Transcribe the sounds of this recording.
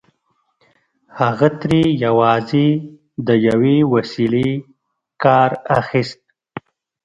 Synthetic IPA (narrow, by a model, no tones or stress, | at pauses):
haɣat̪ɾejawɑze | d̪əjawewasile | kɑːɾaxist̪̚